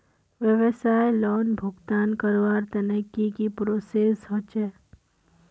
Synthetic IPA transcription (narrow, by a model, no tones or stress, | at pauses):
ʋjəʋəsaːjlɔːnbʱʊɡt̪aːnkəɾʋaːɾt̪ɐnekːikipɾoːsesɦot͡ʃɛː